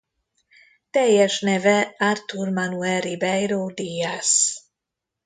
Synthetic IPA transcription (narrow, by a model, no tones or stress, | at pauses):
t̪ɛjːɛʃnɛvɛart̪urmanuɛɾibɛjɾoːd̪ias